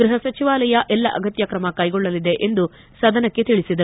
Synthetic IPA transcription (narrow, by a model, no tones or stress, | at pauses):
ɡɾiɦɐsɐt͡ʃiʋaːlɐjɐʔɛlːɐʔɐɡɐt̪jɐkɾɐmɐkɐjɡɔɭːɐlːid̪e̞ʔend̪u | sɐd̪ɐnɐkːe̞t̪iɭisid̪ɐ